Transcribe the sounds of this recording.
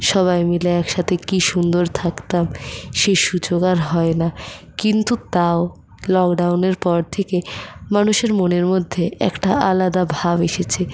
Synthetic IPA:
ʃɔβajmileɛkʃat̪ʰekiʃund̪oɾt̪ʰakt̪amʃeʃut͡ɕokaɾɦɔena | kint̪ut̪ao | lɔkɖawneɾpɔɾt̪ʰekemanuʃeɾmoneɾmod̪ʱːeɛ̰kʈaʔalad̪abʱabeʃet͡ɕʰe

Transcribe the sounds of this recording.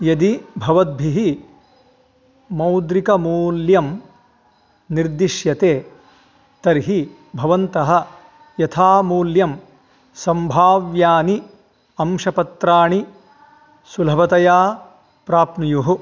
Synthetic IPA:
jɐd̪ibʱɐʋɐd̪̚bʱiɦi | mɐwd̪ɾikɐmuːljɐm | niɾd̪iʃjɐt̪eː | t̪ɐɾɦi | bʱɐʋɐnt̪ɐɦɐ̆ | jɐt̪ʰaːmuːljɐm | sɐmbʱaːʋjaːni | ɐmʂɐpɐt̪ɾaːɳi | sulɐbɐt̪ɐjaː | pɾaːpnijuɦu

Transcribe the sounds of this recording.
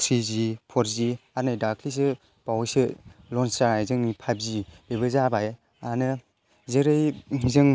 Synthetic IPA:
tʰɾizipʰɔɾzianajdakʰlis̬ɯ | b̥awjsɯlɔnsaajzɯŋnipʰabzib̥eβɯzabaj | anɯ | zeɾɯjzɯŋ

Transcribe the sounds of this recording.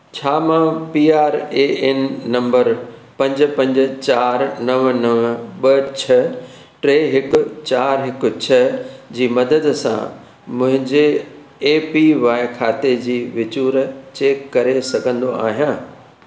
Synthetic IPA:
t͡ɕʰaːmãpiːaːɾeːenːɐ̃mbəɾpɐ̃ɲd͡ʑ̆pɐ̃ɲd͡ʑ̆t͡ɕaːɾnɐʋnɐʋɓɐt͡ɕʰɐ | ʈɾeːɦɪkʊ̆t͡ɕaːɾɦɪkʊt͡ɕʰɐd͡ʑiːmɐd̪əd̪sã̰ | mʊ̃ɦɪ̃ɲd͡ʑeː | piʋaːɪkʰaːt̪ed͡ʑiːʋɪt͡ɕuːɾt͡ɕeːkːɐɾesɐɡʱə̃nd̪oʔa̰ːɦijãː

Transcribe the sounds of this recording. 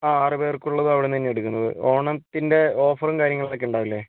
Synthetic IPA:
aːaːrɨpe̞ːrkuɭːɐðɨɐʋiɽent̪ɐnːeeɽukːunːɐðɨ̰o̞ːɳɐt̪ːinde̞o̞ːfɐrɨmkaːɾjɐŋːɐɭelɐkːeuɳɖaːʋilːeː

